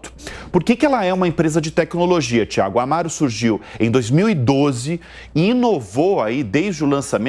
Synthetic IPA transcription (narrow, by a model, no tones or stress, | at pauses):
t̪ʊ̥poɾkekɪɛlɐɛũmɐẽpɾezɐd͡ʒɪt̪ɛknoloʒiɐt͡ʃia̰ɡʊamaɾʊsuɾʒiwẽj̃d̪ojzmiwid̪ozɪ | ɪĩnovowaid̪ejzd͡ʒʊlɐ̃samẽ